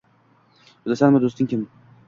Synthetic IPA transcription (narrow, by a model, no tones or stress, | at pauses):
ʊd̪asanmʊd̪ost̪ɪŋʲkʰʲɪm